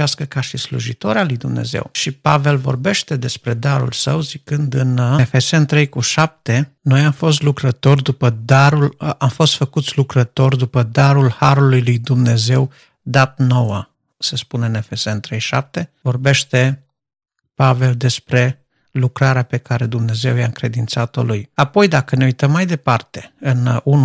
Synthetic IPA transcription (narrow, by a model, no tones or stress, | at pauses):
askəkaʃislṵʒit̪o̞ɾealujd̪umne̞̰zḛwʃipave̞lvo̞̰rbe̞ʃt̪e̞d̪e̞spɾe̞d̪aɾṵlsəwzikɨnd̪ɨnfe̞se̞nt̪ɾe̞jkuʃap̚t̪e̞ | no̞jamfo̞s̬t̪lukɾət̪o̞rʲd̪upəd̪aɾulʔamfo̞st̪fəkut̪sʲlukɾət̪o̞rʲd̪upəd̪aɾulhaɾulujlujd̪umne̞ze̞w | d̪at̪̚no̞wə | sespuneɨne̞fe̞se̞nt̪ɾe̞jʃa̰p̚t̪e̞vorbe̞ʃt̪e̞ | pave̞ld̪e̞spɾe̞ | lukɾaɾeape̞kaɾe̞d̪umne̞ze̞wjaɨŋkɾe̞d̪int̪sat̪o̞̰lujapo̞jd̪akəne̞ujt̪əmːajd̪e̞part̪e̞̥ɨnunu